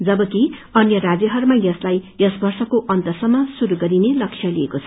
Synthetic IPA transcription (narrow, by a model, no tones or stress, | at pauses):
d͡zʌbʌkiʌnjʌɾad͡zjʌɦʌɾmajʌslajjʌsbʌrsʌkoʔʌnt̪ʌrsʌmːʌsuɾuɡʌɾinelʌksʰjʌliekot͡sʰʌ